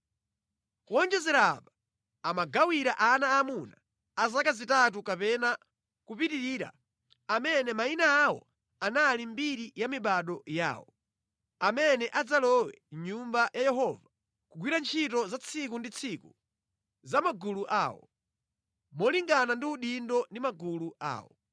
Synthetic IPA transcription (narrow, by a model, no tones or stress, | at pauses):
wɔnd͡ʒɛzɛɾaba | amaɡawiɾaʔanaːmunaː | zakazitat̬ukapɛna | kupitiɾiːɾa̰ | amɛnɛmainaːwɔ̰ | analimbiɾijamiɓaɗɔja̰ːwɔ | amɛnɛʔad͡zalɔwɛ̰ɲumbajajɛɦɔva | kuɡwiɾant͡ʃʰitɔzat͡sʰik̬undit͡sʰiku | zamaɡuluʔa̰ːwɔ̰ | mɔliŋɡanandiuɗindɔndimaɡulua̰ːwɔ̰